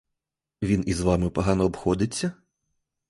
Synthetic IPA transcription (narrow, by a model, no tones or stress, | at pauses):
ʋʲinizʋɑmɪpɐɦɑnɔːbxɔd̪ɪt͡sʲːɐ